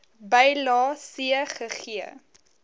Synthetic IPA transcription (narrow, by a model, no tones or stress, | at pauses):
bɛjlɑːsiəχəχiə